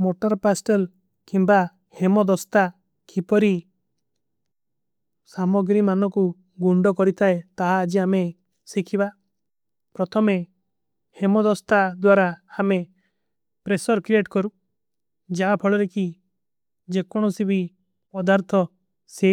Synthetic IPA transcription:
moʈɔɾpasʈel | kimba | hemɔd̪ɔst̪a | kipɔɾi | samɔɡɾimanɔku | ɡuɳɖɔkɔɾit̪ʰaet̪aɦaːd͡ʒiame | sikʰiba | pɾɔt̪ʰɔme | hemɔd̪ɔst̪ad̪waɾahame | pɾesɔɾkɾieʈkɔɾu | d͡ʒaapʰɔɭɔɾeki | d͡ʒekɔɽ̃ɔsibi | pɔd̪aɾt̪ʰɔ | se

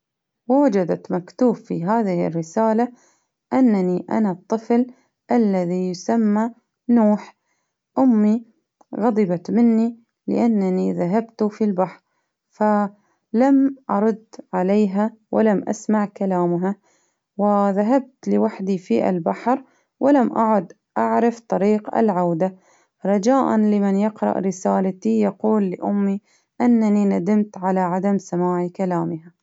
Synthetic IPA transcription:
wawad͡ʒad̪at̪makt̪uːfːiɦaːðɪhɪ̰rːɪsaːla | ʔanːaniʔa̰nat̪ˤːɨfl | ʔalːaðijʊsamːa | nuːħ | ʔʊmːi | ɣɑd̪ˤɨbat̪mɪnːi | lɪ̰ʔanːaniðaɦabt̪ufilbaħɾ | fa | lamʔɑɾˤʊd̪ʕaleːɦawʔɪlamʔa̰smaʕkalaːmɦa | wɪðaɦab̚t̪lɪwaħd̪ifiʔa̰lbaħɾ | wʔɪlamʔaʕʊd̪ | ʔaʕɾɪft̪ˤɑɾiːqɪ̰lʕawd̪a | ɾˤɑd͡ʒaːʔa̰nlɪmɪnjɪqɾˤɑ̰ʔɾɪsaːlat̪ijɑquːlːɪʔʊmːi | ʔɪnːaninad̪amt̪ʕalaʕad̪amsamaːʕikalaːmɪha

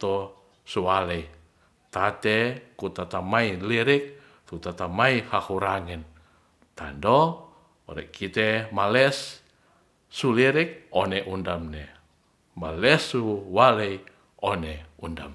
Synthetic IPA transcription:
t̪o | suwalɛi | t̪at̪ɛkut̪at̪amailiɾik̚ | t̪ut̪at̪amaihahuɾaŋɛn | t̪a̰ndɔ | ɔɾɛ̰kʰit̪ɛmalɛs | uliɾik̚ɔnɛʔundamnɛ | malɛsuwalei | ɔnɛunda̰m

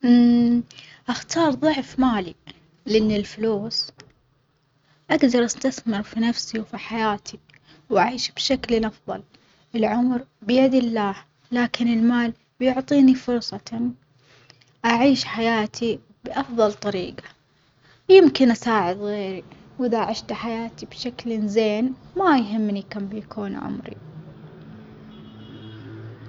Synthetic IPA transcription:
ʔaxt̪ʰɑːɾˤðˤʊʕfmaːli | lɪʔɪnːɪlfʊluːs | ʔaɡd̪ɑɾˤʔast̪aθmɪɾfinafsiwfiħajaːt̪ʰi | wʔaʕiːʃb̥ʃaklnʔɑfðˤɑl | ɪlʕʊmɾbɪjad̪ɪlːaːh | laːkɪnɪlmaːl | bjʊʕt̪ˤiːnifʊɾsˤɑ | ʔaʕiːʃħajaːt̪ʰi | b̥ʔɑfðˤɑlt̪ˤɑɾiːɡḁ | jɪmkɪnʔasaːʕɪd̪ɣeːɾiwʔɪðaʔaʕɪʃt̪aħajaːt̪ibʃaklnzeːnmajɦɪmːnikambijkʰuːn̰ʕʊ̰mɾḭ

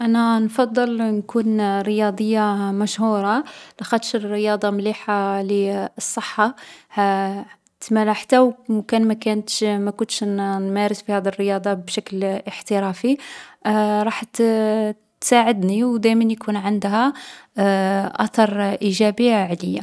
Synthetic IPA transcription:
ʔænænfɑd̪ˤːəlnkunɾəjɑd̪ˤəjːamæʃhuɾˤɑlæxæd̪ʃərːəjɑd̪ˤɑmliħaliəsˤːəħːahæ | t̪mælæħt̪æwmkænmækænt̪ʃmækʊnt̪ʃnmæɾəsbihæd̪iərːəjɑd̪ˤɑbʃækləħt̪əɾæfi | ɾˤɑħt̪ | t̪saʕəd̪niwd̪æjmænjkʰunʕənd̪hæ | ʔæt̪ɑɾˤʔiʒæbəʕləjːa

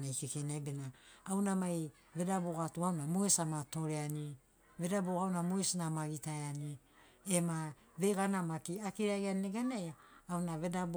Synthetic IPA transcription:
najkekenabe̞naːwnamaj | βe̞daboɡatuawnamoesamato̞ɾeani | βe̞daboɡawnamoesnamaɡitaeani | ema | βe̞ɡanamakiakiɾaɡanieɡanajaːwnaβe̞dab

